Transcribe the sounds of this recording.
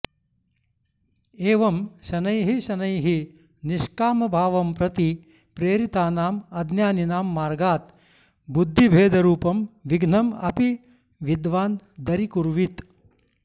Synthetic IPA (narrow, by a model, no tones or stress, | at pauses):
eːʋɐmʃɐnɐjɦiʃɐnɐjɦi | niʃkaːmɐbʱaːʋɐmpɾɐt̪i | pɾeːɾit̪aːnaːmɐd̪njaːninaːmːaːɾɡaːt̪ | bud̪ʱːibʱeːd̪ʱɐɾuːpɐmʋiɡʱnɐmɐ̰pi | ʋid̪ʋaːnd̪ɐɾikuɾʋit̪